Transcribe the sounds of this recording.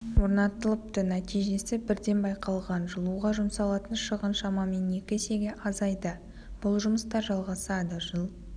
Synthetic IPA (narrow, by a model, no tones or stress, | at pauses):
woɾnɑt̪əlˠəpt̪ənæt̪ijʒe̞sɪbɪɾd̪e̞nbɑjqɑlˠʁɑnʒəlˠuʁɑʒʊmsɑlˠɑt̪ənʃəʁənʃɑmɑme̞ne̞kʲɪse̞ɡʲe̞ʔɑzɑjd̪ə | b̥ʊlˠʒʊməst̪ɑɾʒɑlˠʁɑsɑd̪əʒəlˠ